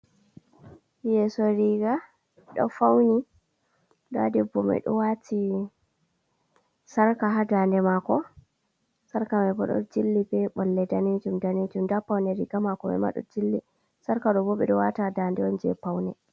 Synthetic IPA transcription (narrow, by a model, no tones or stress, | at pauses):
jɛsɔɾiɡa | ɗɔ̰fawni | ɗadɛbɔmɛ̰ɗɔ̰watʰi | saɾkaɦadandɛmakɔ | saɾkamɛbɔɗɔ̰d͡ʒilːibɛɓɔlːɛdaned͡ʒumdaned͡ʒumdapawnɛɾiɡamakɔmɛ̰ma̰ɗɔ̰d͡ʒilːḭ | saɾkaɗɔbɔɓɛɗɔwatadandɛwɔnd͡ʒɛ̰pawnɛ